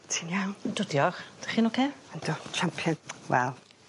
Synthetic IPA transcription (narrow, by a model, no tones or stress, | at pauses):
tʰinjawndɔdjɔχd̥aχiːnɔkʰeːand̥otʰrampʰjɔnwɛ̰lˠ